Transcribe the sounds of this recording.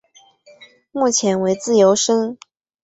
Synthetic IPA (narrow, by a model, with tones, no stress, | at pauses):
mu˥˩t͡ɕʰjɛ˧˥nwe˧˥ɪt͡sɹ̩˥˩jo˧˥ʊʂə˥ŋ